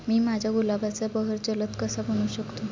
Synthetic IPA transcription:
miːmad͡ʑʱjaɡulabat͡sebəɦəɾd͡ʑələt̪kəsabəɽ̃uːɕəkt̪o

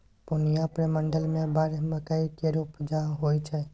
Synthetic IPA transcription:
poniapɽeməɳɖəlmẽbaɾeməkaikeɾupd͡ʒaɦojt͡ʃʰe

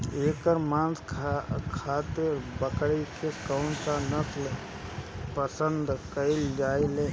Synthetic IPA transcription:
eːkəɾmãːnskʰkʰaːt̪eɾbəkɽikʰeskaʊɳsanət̪le | pəsənd̪kəɪld͡ʒaːileː

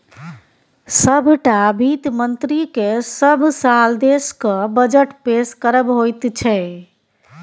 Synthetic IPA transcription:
səbʱʈabʱit̪mənt̪ɾikesəbʱsald̪eskəbəd͡ʒəʈpeskəɾəbɦojt̪t͡ʃʰɛ

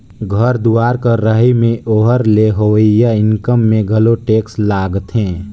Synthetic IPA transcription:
ɡʱəɾd̪uaːɾkəɾːəɦimẽʔoːɦəɾleɦowəjaɪnkəmːẽɡʱəloʈeːkslaːɡt̪ɦẽː

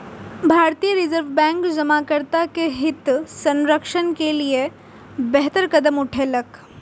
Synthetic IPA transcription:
bʱaːɾt̪ijəɾɪzəɾʋbɛ̃ːŋkd͡ʒɐmakəɾt̪akeɦɪt̪sɐ̃nɾəkʃənkelie | bɛɦt̪əɾkɐd̪əmʊʈʰelɐk

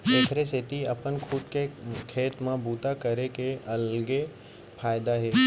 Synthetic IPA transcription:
t̪eːkʰɾeset̪iɐpənkʰuːʈkekʰeːt̪mãbuːt̪akəɾekeɐlɡe | pʰaːɪd̪aɦeː

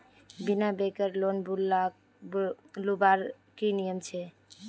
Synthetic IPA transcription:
binabekəɾlonbula | lubaɾ | kinijəmt͡ʃʰɛ

